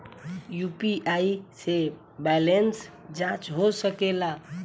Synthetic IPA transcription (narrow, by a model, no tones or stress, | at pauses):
jupiʔaise | bɛlens | d͡ʒãt͡ʃɦosəkela